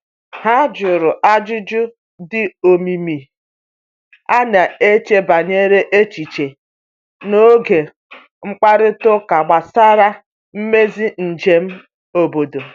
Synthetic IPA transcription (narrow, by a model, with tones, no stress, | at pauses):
ha˦d͡ʒʊ˨ɾʊ˨ʔa˦d͡ʒʊ˦d͡ʒʊ˦ | dɪ˦o˨mi˨mi˨ | a˦na˨e˦t͡ʃe˦ba˨ɲe˦ɾe˦ʔe˦t͡ʃi˨t͡ʃe˨ | no˦ɡe˨ | ŋ͡m̩˦k͡pa˦ɾɪ˦tʊ˦ka˨ɡ͡ba˨sa˦ɾa˦ | m̩˦me˦zi˦n̩˨d͡ʒe˨m̩˦ | o˨bo˨do˨